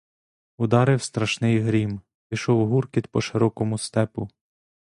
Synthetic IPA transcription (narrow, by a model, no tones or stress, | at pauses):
ʊd̪ɑɾɪwst̪ɾɐʃnɪjɦɾʲim | pʲiʃɔwɦurkit̪pɔʃeɾɔkɔmʊst̪ɛpʊ